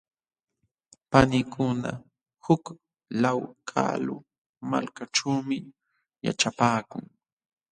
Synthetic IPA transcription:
panɪkʰʊna | hʊk | lawkʰa̰lʊ | ma̰lkaʈ͡ʂuːmɪ | ja̰ʈ͡ʂapaːkʊŋ

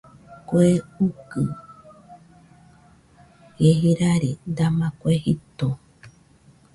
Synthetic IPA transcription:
koeukɨ | jeɦiɾaɾind̪amãkʷeɦit̪o

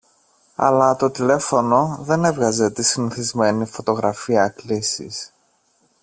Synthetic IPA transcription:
ɐ̰lɐt̪o̞t̪ile̞fo̞no̞ðe̞ne̞vɣɐze̞t̪isiniθizme̞nifo̞t̪o̞ɣɾɐfiɐklisḭs

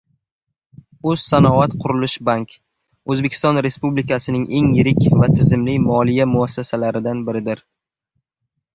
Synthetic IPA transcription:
ɵz̥sanɒvat̪qʰʊɾɪlɪʃbaŋk | ɵzbe̞kʲʰɪ̥st̪ɒnɾe̞spublikasɪnɪŋʔe̞ŋjɪɾɪkʲvat̪ʰɪzɪmlɪmɒlˠijamʊasːasalaɾɪd̪anbɪɾɪd̪ɪɾ

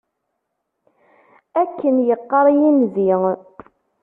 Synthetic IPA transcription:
ækːənjəqːəɾˤjimziŋ

